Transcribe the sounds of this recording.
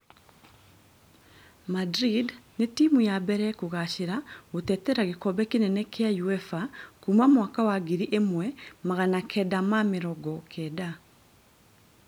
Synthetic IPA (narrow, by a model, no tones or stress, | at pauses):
madɾidnetimujabɛɾɛkoɣaʃeɾaotɛtɛɾaɣekɔbɛkinɛnɛkeajuɛfakumamwakawaɡiɾiʔemwɛmaɣanakʰɛdamameɾɔɡɔkʰɛːda